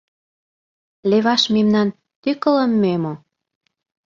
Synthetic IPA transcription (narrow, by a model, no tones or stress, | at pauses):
leβɑʃmemnɑn | t̪ykə̆lə̆mːemo